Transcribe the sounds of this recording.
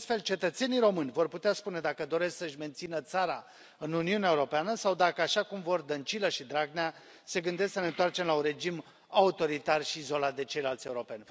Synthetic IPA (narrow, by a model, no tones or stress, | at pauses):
st̪fe̞lt͡ʃe̞t̪ət̪se̞nijɾo̞mɨnʲvo̞rput̪easpune̞d̪akəd̪o̞ɾe̞sksəɨʃme̞nt̪sinət̪saɾa | ɨnuniuneaeuɾo̞peanəsawd̪akəaʃakumvo̞rd̪ənt͡ʃiləʃid̪ɾaɡnea | se̞ɡɨnd̪esksənent̪oart͡ʃe̞mlaunre̞d͡ʒim | aut̪o̞ɾit̪arʃiːzo̞lat̪̚d̪e̞t͡ʃe̞jlalt̪sʲe̞uɾo̞pe̞nʲ